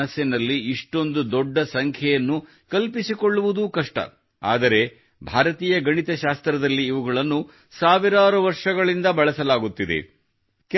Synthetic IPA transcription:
ɐsɐnɐlːiiʂʈo̞nd̪ud̪ɔɖːɐsɐŋkʰjɛjɐnːu | kɐlpisikoɭːuʋud̪ukɐʂʈɐ̰ | a̰ːd̪ɐɾe̞ | bʱaːɾɐt̪iːjɐɡɐɳit̪ɐʃaːst̪ɾɐd̪ɐlːiːʋuɡɐɭɐnːu | saːʋiɾaːɾuʋɐɾʂɐɡɐɭind̪ɐbɐɭɐsɐlaːɡut̪ːid̪e̞̰ | k

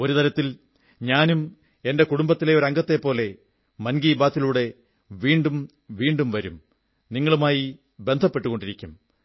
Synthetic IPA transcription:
o̞ɾut̪ɐɾɐt̪ːil | ɲaːnum | e̞nde̞kuɽumbɐt̪ːile̞o̞ɾɐŋɡɐt̪ːe̞pːo̞ːle̞ | mɐnɡiːbaːt̪ːiluːɽe̞ | ʋiːɳɖum | ʋiːɳɖumʋɐɾum | niŋːɐɭumaːji | be̞nd̪ʱɐpːe̞ʈːuɣo̞ɳɖiɾikʲːum

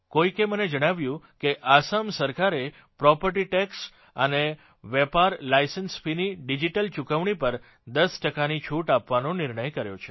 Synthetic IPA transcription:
koikeməned͡ʒəɽ̃aʋjũkeʔasamsəɾkaɾe | pɾɔpəɾʈiʈɛks | ə̰ne | ʋepaɾlajsənsfiniɖid͡ʒiʈəlt͡ʃukəʋɳ̃ipəɾ | d̪əsʈəkanit͡ʃʰuʈapʋanonɪɾɳəjkəɾjo̰t͡ʃʰe

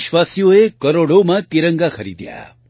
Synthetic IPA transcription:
ʃʋasjoekəɾoɽomãt̪iɾəŋɡaxʰəɾḭd̪ja̰

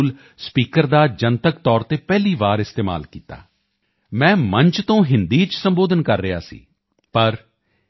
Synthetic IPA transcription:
l | spiːkəɾd̪aːd͡ʒənt̪əkt̪ɔːɾt̪eːpɛːliːʋaːɾɪst̪eːma̰ːlkiːt̪a̰ː | mɛ̃ːmə̃ɲt͡ʃt̪õːɦɪnd̪iːt͡ʃsəmboːd̪ənkəɾːɪɦa̰ːsḭː | pəɾ

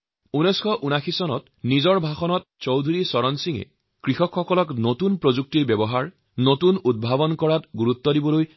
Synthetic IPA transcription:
unɔjskʰɔʔunaxʰisɔnɔt̚ | nizɔɹbʱaxɔnɔt̚t͡ʃowd̪ʱuɹisɔɹɔnsiŋḛ | kɹixɔkxɔkɔlɔknotunpɹozuk̚tiɹbɛbɔɦaɹ | notunud̚bʱabɔnkɔɹatɡuɹut̪ːɔdibɔloj

